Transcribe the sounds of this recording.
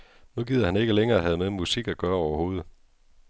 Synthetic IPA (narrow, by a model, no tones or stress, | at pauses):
nuɡ̥ið̰ˠɐhæne̝ɡ̥əleŋɐːæɦæð̩ˠmeðˠmusiɡ̥æɡ̥ɶːɐɒʊɐho̝̰ːð̞̩ˠ